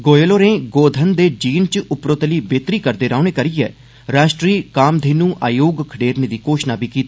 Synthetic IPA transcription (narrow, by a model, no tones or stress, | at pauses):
ɡoːjloːɾẽːɡoːd̪ʱənd̪eːd͡ʒiːnt͡ʃʊpɾoːt̪əliːbeːt̪ɾiːkəɾd̪eːɾaːnẽːkəɾiːɛ̰ː | ɾaːʃʈɾiːkaːmd̪ʱeːnũːʔa̰ːjoːɡkʰəɖeːɾneːd̪iːkoːʃnaːbiːkiːt̪ː